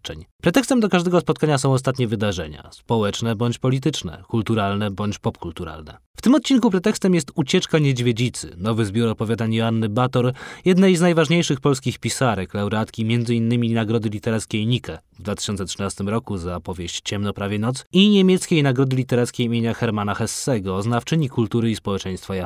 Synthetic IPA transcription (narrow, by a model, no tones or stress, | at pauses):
t͡ʂɛɲpɾɛt̪ɛkst̪ɛmd̪ɔkaʐd̪ɛɡɔspɔt̪̚kaɲasɔ̃w̃ɔst̪at̪ɲɛvɘd̪aʐɛɲa̰spɔwɛt͡ʂnɛbɔɲt͡ɕpɔlʲit̪ɘt͡ʂnɛ̰kult̪uɾalnɛbɔɲt͡ɕpɔpkult̪uɾa̰lnɛ̰ | ft̪ɘmɔt̪̚t͡ɕinkupɾɛt̪ɛkst̪ɛmjɛst̪ut͡ɕɛt͡ʂkaɲed͡ʑvʲjed͡ʑit̪sɘ̰nɔvɘzbʲjuɾɔpɔvʲad̪anianːɘbat̪ɔɾjɛd̪nɛjznajvaʐɲejʂɘxpɔlskʲixpʲisaɾɛklɛwɾat̪kʲimʲjɛnd̪zɘinːɘmʲinaɡɾɔd̪ɘlʲit̪ɛɾat̪skʲejɲikɛ | vd̪vat̪ɘ̥ɕɔnt̪ɛtʂɘnast̪ɘmɾɔkuzapɔvʲjeɕt͡ɕt͡ɕɛmnɔpɾavʲjɛnɔt̪siɲemʲjɛt̪skʲejnaɡɾɔd̪ɘlʲit̪ɛɾat̪skʲejimʲjeɲaxɛɾmanaxɛsːɛɡɔːznaft͡ʂɘɲikult̪uɾɘispɔwɛt͡ʂɛj̃st̪faja